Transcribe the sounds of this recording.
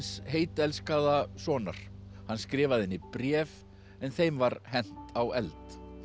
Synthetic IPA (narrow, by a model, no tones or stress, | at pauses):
sheːjt̪ɛlskaðasɔːna̰ɾ̥ | hanskɾɪːvaðɛnːɪpɾjɛːv | ɛnθejmvaɾhɛn̥t̪awɛlt̪